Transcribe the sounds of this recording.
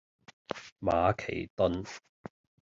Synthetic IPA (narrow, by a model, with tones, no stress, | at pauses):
ma̰ː˨˧kʰe˨˩jt̪ɔ˥n